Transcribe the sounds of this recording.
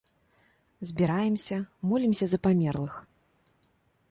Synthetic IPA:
zʲbʲiɾajɛmsʲɐmɔlʲimsʲɐzɐpamʲɛrlˠɨx

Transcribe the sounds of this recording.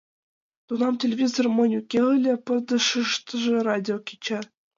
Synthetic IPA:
t̪unɑmtʲelʲevʲizormɤ̆nʲukʲːeɯlʲɘ̆pɤ̆rd̪ɤ̆ʂɯʂt̪ɤ̆ʐɤ̆rɑdʲiokʲit͡ɕæ

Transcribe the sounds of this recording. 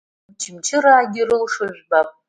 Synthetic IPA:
t͡ʃʰɪmt͡ʃʰɪraːɡʲɪrɨlʂɨʒʷᶣbapʼ

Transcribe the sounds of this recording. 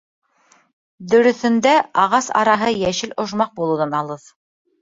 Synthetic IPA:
d̪ɵ̆ɾɵ̆θɵ̆nd̪æɑʁɑsɑ̰ɾɑɦɤjæʃɘlŏʒmɑq̚bulˠuwðɑnɑlˠɤð

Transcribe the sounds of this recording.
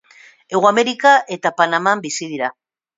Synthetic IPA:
e̞ɣoameɾikaʔe̞t̪apanamambisiðiɾa

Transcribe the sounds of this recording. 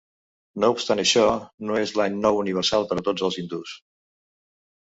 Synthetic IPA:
noupst̪anəʃɔnoezlaɲnɔwuniβ̞əɾsalˠpəɾət̪od͡zəlˠzind̪us

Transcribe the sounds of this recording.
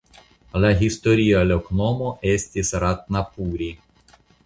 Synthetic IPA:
lʲaɦʲist̪ɔɾʲijalʲɔknɔmɔʔɛsʲt̪ʲisɾat̪̚napuːɾʲi

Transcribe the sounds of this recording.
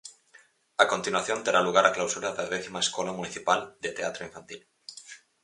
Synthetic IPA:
ako̞nt̪inwaθjo̞nt̪eɾaluɣ̞aɾaklawsuɾaðaðeθimaeskolamuniθipald̪e̞t̪eat̪ɾoiɱfant̪il

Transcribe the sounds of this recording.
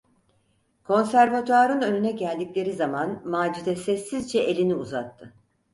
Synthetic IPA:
kʰo̞nsæɾvat̪ʰaɾɯnø̞nynɛɟælʲd̪iclʲe̞ɾizamanmaːd͡ʒid̪ɛsɛsːizd͡ʒɛʔelʲiniuza̰t̪ʰːɯ

